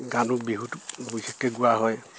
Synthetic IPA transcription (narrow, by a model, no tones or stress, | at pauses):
ɡanubiɦutbujsikːɛɡuwaɦɔj